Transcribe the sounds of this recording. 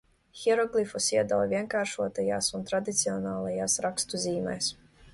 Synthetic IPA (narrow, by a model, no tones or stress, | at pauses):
xʲɛɾɔɡlʲˠifɔsiɛd̪awvʲiɛŋkaːɾʃuɔt̪ajaːsunt̪ɾad̪it̪siɔnaːlˠajaːsɾakst̪uziːmɛ̰js